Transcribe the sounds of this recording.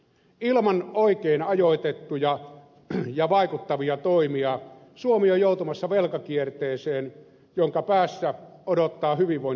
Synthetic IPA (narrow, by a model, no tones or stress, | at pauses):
ilmɑnoˑikeːnɑjoit̪et̪ːujɑ | jɑʋɑˑikut̪ːɑʋiɑt̪oimiɑ | suomiojoˑut̪umɑsːɑʋelkɑkiert̪eːseːn | joŋkɑpæːsːæodot̪ːɑːhyʋiʋʋoˑin